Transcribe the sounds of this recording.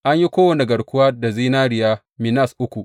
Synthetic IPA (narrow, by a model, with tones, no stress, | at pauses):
ʔa˦ɲji˦kʷoː˦wɐ˨ni˨ɡɐ˨ɽkʷʊ˦waː˦da˨ziː˦naː˦ɽɪ˨jaː˦ | mi˨na˦˨sʔʊ˦kʷu˨